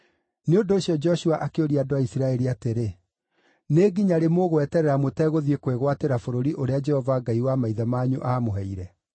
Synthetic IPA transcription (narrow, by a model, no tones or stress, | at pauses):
neondoːɕiɔd͡ʒɔʃuaʔakeoɾiadoaisiɾaɛɾiateɾe | neːɡiɲaɾemoɣowɛtɛɾɛɾamotɛɣoðiekweɣwateɾafoɾoɾiʔoɾead͡ʒɛhɔvaɡaiwamaiðamaːɲuʔaːmoɦɛiɾɛ